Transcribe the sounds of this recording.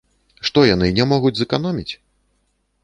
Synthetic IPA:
ʂt̪ɔjanɨnʲɛmɔɣud͡zʲzɨkanɔmʲit͡sʲ

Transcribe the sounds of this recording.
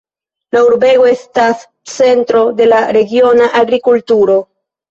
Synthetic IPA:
lauɾbeɣoest̪as | t͡sent̪ɾo̞d̪e̞laɾeɡjo̞naʔaɡɾikult̪uɾo

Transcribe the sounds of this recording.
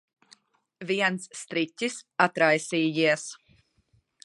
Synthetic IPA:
viɛnsːt̪ɾitʲisat̪ɾajsiːjiɛs

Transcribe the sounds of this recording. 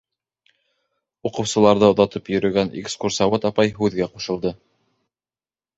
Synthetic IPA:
uqɤ̆wsɤ̆lˠɑɾðɤŏðɑt̪ɤpjɵ̆ɾɵ̆ɡænḛkskursɑβot̪ɑpɑjɦʉðɡæquʃɤ̆lˠd̪ɤ

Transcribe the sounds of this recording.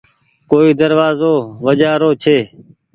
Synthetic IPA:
koːiːd̪əɾʋaːzoːʋəd͡ʒaːɾoːt͡ʃʰeː

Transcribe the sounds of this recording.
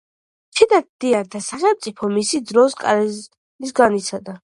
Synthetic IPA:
t͡ʃʰɛd̪ad̪̥iaɾd̪ʰasaχɛlˠmt̪sʼipʰɔmisid̪zɾɔskʼa̰ɾɛ | nis̬ɡanit̪sʰad̪a

